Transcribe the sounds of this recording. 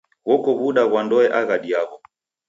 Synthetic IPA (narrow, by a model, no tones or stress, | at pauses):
wɔkɔβuɗaɣwandɔɛʔaɣaɗiaɣɔ